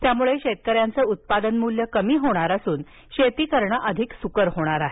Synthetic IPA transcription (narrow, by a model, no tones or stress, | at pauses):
t̪jamuɭeɕet̪̚kəɾjant͡səut̪̚pad̪ənmuljəkəmiːɦoɽ̃aɾasuːn | ɕet̪iːkəɾɳəʔəd̪ʱiksukəɾɦoɽ̃aɾaɦe